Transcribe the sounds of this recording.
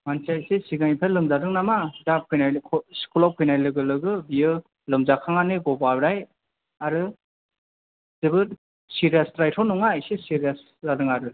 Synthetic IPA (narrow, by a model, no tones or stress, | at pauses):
mansajsesiɡaŋipʰelɯŋzadɯŋnamadap̚kʰɯjnajkʰskʰulakʰɯjnajlɯɡɯlɯɡɯbijɯ | lɯmzakʰaŋaniɡɔbabɾaj | aɾɯ | zɯbɯt̚ | siɾiasɾajtʰɔnɔŋasesiɾijas | zadɯŋaɾɯ